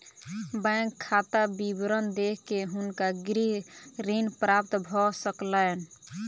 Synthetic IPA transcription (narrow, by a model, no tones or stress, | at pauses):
bəŋkʰːat̪abibɾənd̪ekʰkeɦunkaɡɾiɾinpɾap̚t̪bʱɔsəkləːn